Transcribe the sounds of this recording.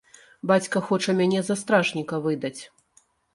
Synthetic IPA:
bat͡sʲkɐxɔt͡ʂɐmʲanʲɛzɐst̪ɾaʐnʲikɐvɨd̪ɐt͡sʲ

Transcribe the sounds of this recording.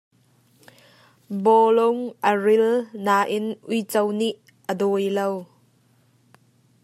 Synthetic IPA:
bɔlʊŋʔəɹɪlnaːʔɪnʔujt͡sɐwniʔːəd̪ɔjlow

